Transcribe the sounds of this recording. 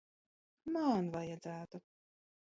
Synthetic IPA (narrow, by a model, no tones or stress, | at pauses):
manvajɛd̪zæːt̪u